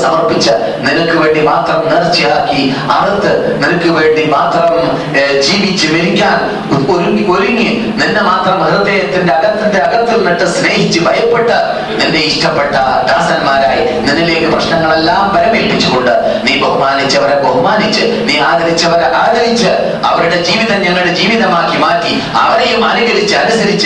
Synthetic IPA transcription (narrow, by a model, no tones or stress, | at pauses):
sɐmɐrpit͡ɕːɨ | ninɐkːɨʋe̞ːɳɖimaːt̪rɐmnirt͡ɕːijaːkːi | aːɭɐt̪ːɨnilɐkːɨʋe̞ːɳɖimaːt̪rɐm | d͡ʑiːʋit͡ɕːɨʋeɾikʲːaːn | oɾuo̞ɾuŋi | ninːemaːt̪rɐmɐɾɐt̪ːeːjɐt̪ːinde̞ɐɣɐt̪ːinde̞ɐɣɐt̪ːilniʈːɨsne̞ːɦit͡ɕːɨbʱɐjɐpːe̞ʈːɨ | ninde̞iʂʈɐpːeʈːɐd̪aːsɐnmaːɾaːji | ninːile̞ːkːɨprɐʂɳɐŋːɐɭe̞lːaːmpɐɾɐmiːlpːit͡ɕːuɣoɳɖɨ | niːbɐɦumaːnit͡ɕːɨɐʋɐɾebɐɦumaːnit͡ɕːɨ | niːaːɣɐɾit͡ɕːɐʋɐɾʔaːɣɐɾit͡ɕːɨ | ɐʋɐɾuɽe̞d͡ʑiːʋiðɐɲɐŋːɐɭiɽed͡ʑiːʋiðɐmaːkːimaːkːi | ɐʋɐɾejumɐnuɣɐlit͡ɕːɨɐnusɐɾit͡ɕːɨ